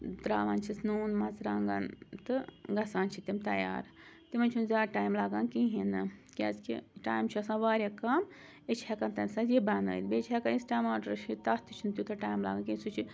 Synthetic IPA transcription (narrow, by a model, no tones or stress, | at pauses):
d̪ɾaːʋaːnt͡ʃʰisnuːnmɐt͡sɾaːŋɡɐnt̪ɨɡɐsaːnt͡ʃʰit̪imt̪ɐja̰ːɾ | t̪imɐnʲt͡ʃʰunzʲaːʈaːjmlaːɡankiɦinɨkʲa̰ːzkḭʈaːjmt͡ʃʰiɐsãːʋaːɾjakɐm | et͡ʃʰhʲɐkɐnt̪ɐnsazjibɐːnə̰ːlʲbeːt͡ʃʰɦɛkanisʈaːjmaːɖɐɾʃʰit̪ɐt̪it͡ʃʰunt̪ʲjut̪ʰɐʈaːjmla̰ːɡankisut͡ʃʰi